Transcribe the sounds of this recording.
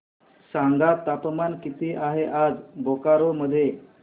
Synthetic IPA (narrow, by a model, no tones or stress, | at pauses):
saŋɡat̪ːapmankit̪iːʔaɦeʔad͡zbokaɾoməd̪ʱːje